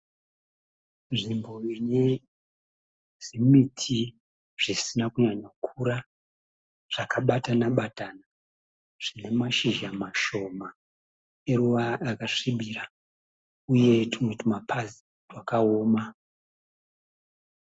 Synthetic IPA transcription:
nʐimbo̞ine | z̥imitʰi | ʐ̥isinakuɲaɲakʰuɾa | ʐ̥akaɓatanaɓatana | ʐ̥ine̞maʃiʒamaʃo̞ma | e̞ɾuʋaːkaʂiɓira | uje̞timwetimapʰazi̥ | rwakaoːma

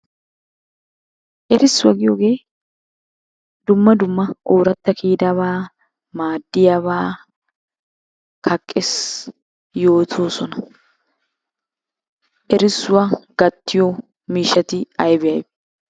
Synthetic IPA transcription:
ʔɛɾɪsːʊwɐɡɪjoːɡe̞ː | d̪ʊmːɐd̪ʊmːɐʔoːɾɐt̪ːɐkiːd̪aβaː | maːd̪ːɪjaːβaː | kʰɐkʼːɛs | jo̞ːt̪ʰo̞ːsɔnɐ̥ | ʔɛɾɪsːʊwaɡ̥ɐt̪ːɪjo | miːʃɐt̪ɪɐjbɪjɐj

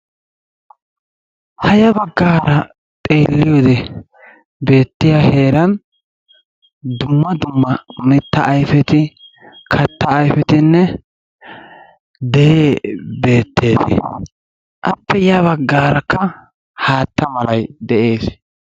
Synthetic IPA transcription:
hɐjɐbɐɡːaːɾɐ | t̪ʼeːlːɪjoːd̪ɛ | be̞ːt̪ːɪjahe̞ːɾɐn | d̪ʊmːɐd̪ʊmːɐmɪt̪ːɐʔːjfɛt̪ɪ | kʰɐt̪ːɐːjfɛt̪ɪnːɛ | d̪ɛjeːbe̞ːt̪ːeːd̪ɛ̰ | ʔɐpːɛjaβɐɡːaːɾɐkːɐ | haːt̪ːɐmɐlɐjd̪ɛʔe̞ːs

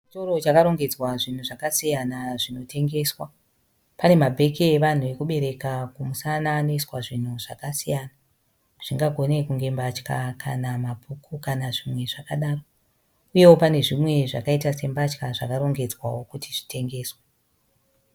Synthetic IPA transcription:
t͡ʃit͡ʃoɾo̞t͡ʃakaɾo̞ŋɡe̞d͡zwaʐin̤uʐakasijanaʐino̞te̞ŋɡe̞ːswa | pane̞mabʱe̞keːʋan̤uʋe̞kuɓe̞ɾe̞kakumusanaːno̞iswaʐin̤uʐ̥a̰kasijana | ʐ̥iŋɡaɡʱo̞ne̞kuŋɡe̞mbat͡ʃka̰kʰa̰namabʱukʰukanaʐimwe̞ʐakaɗaːro | uje̞wo̞pane̞ʐimwe̞ʐa̰kaitase̞mbat͡ʃkaʐakaɾo̞ŋɡe̞d͡zwa̰wo̞kutiʐi̥te̞ŋɡe̞ːswa

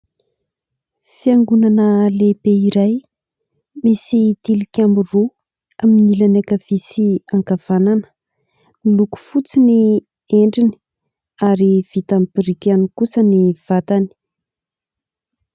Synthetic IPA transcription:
fiaŋɡunanəlepeiɾaj | misit̪ilikʲamiru | aminilanakavisiaŋkav̥ananə̥ | miluku̥fut͡sini | eɳɖ͡ʐini̥ | aɾivit̪ampiɾikanikusəniv̥at̪ani̥

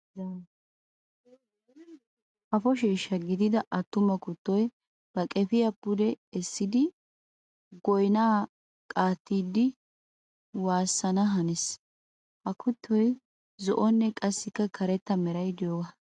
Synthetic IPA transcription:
ʔɐfɔʃeːʃːɐɡɪd̪ɪd̪ɐʔɐt̪ːʊmɐkʊt̪ːɔj | b̥ɐkʼɛfɪjɐpːʊd̪ɛɛsːɪd̪ɪ | ɡɔjnaː | kʼaːt̪ːiːd̪ɪ | waːsːɐnɐɦɐnɛs | ʔɐkʊt̪ʰːɔj | zɔʔɔnːɛkʼɐsːɪkːɐkʰɐɾɛt̪ːɐmɛɾɐjd̪ɪjoːɡɐ

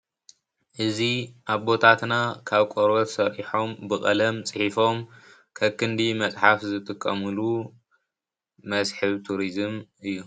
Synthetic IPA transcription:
ʔɨziʔaβbo̞t̪ʰat̪nakʰaβkʼoɾβɐt̪sɐɾʔiħo̞mbɨxʼɐlɐmt͡sʼɨħifo̞m | kʰɐkʰːɨnd̪imɐt͡sʼħafzɨt̪ʼɨkʼːɐ̰mɨlu | mɐsħɨβt̪ʰuɾizɨmɨjːu

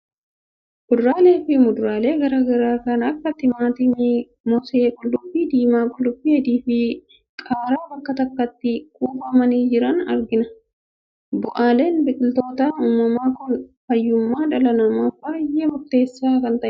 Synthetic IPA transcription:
mʊd̪ɾaːle̞ːfɪmʊd̪ɾaːle̞ːɡɐɾaːɡɐɾaːkɐnɐkːɐt̪ɪmaːt̪ɪm | mɔse̞ːkʼʊllʊbːid̪iːmaːkʼʊlᶑʊbːihɛd̪iːfɪ | kʼaːɾaːbɐkːɐt̪ɐkːɐt̪ːɪkʼuːbɐmɐniːd͡ʒɪɾɐnɐ̰ɾɡɪnɐ | bʊʔaːle̞ːnbɪkʼɪlt̪o̞ːt̪aːnuːmːɐmaːkʊnfɐjːʊmːaːᶑɐlɐnɐmɐbaːjeːmʊɾt̪e̞ːsːaːkɐnt̪ɐʔɪ

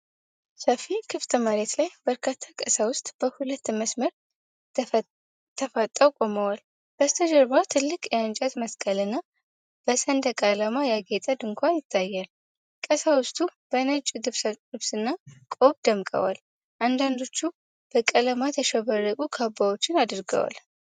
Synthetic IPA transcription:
səfikʰɨft̪ʼɨməɾet̪lajb̥əɾkʰat̪ʰːakʼəsawʊst̪ʼb̥əhulət̪ːməsməɾ | t̪ʰːəfat̪ʼːəwkʼo̞məwal | b̥əst̪ʰəd͡ʒəɾβat̪ʰɨlːɨkʼjɛant͡ʃʼat̪məskʼəlɨnːa | b̥əsənd̪əkʼalamajaɡet̪ʼəd̪ɨŋkʰʷanjɪt̪ʰːajːal | kʼəsawʊst̪ʼub̥ənət͡ʃʼd̪ɨɨβsɨnːakʼoβd̪əmkʼə̰wa̰l | ʔand̪and̪o̞t͡ʃːu | b̥əkʼələmat̪ʰəʃəβərːəkʼukʰabawo̞t͡ʃːɪnad̪ɨɾɡə̰wa̰l

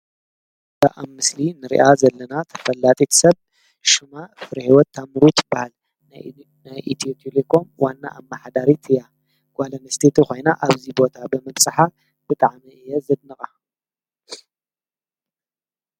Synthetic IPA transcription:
b̥ɨʔamːɨslinɨɾḭʔazɐlːɐnat̪ʰɐ̥fɐlːat̪ʼit̪ʰsɐβ | ʃɨmafɨɾɐhiwɔt̪ʰːamɨɾut̪ʰbahal | najʔit̪ʰt̪ʰʼilekʰo̞mwanːa̰ʔamːaħad̪aɾit̪ʰɨja | ɡ̥ʷalɐnɐst̪ʰet̪ʰikʰʷo̞jnaʔaβzibo̞t̪ʰabɨmɐβsʼɨħa | b̥ɨt̪ʼaʕmiɨjːɛzɨd̪nɨχʼa

